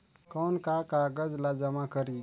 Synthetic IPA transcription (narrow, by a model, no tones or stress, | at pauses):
kɔːnkakaɡəd͡ʒlad͡ʒəmakəɾi